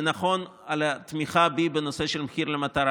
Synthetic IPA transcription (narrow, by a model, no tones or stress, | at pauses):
naχo̞nalat̪miχabibenoseʃelmxiɾlemat̪aɾa